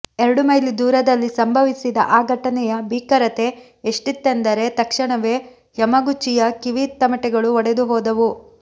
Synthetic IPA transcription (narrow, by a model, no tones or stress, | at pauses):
eɾɐɽumɐjlid̪uːɾɐd̪ɐlːisɐmbʱɐʋisid̪ɐ̰ʔaːɡʱɐʈɐnɛjɐbʱiːkɐɾɐt̪e̞ː | ʂʈit̪ːend̪ɐɾe̞t̪ɐkʂɐɳɐʋe̞ː | jɐmɐɡut͡ʃːijɐkiʋiːt̪ːɐmɐʈɛɡɐɭuɔɽed̪uɦɔːd̪ɐʋu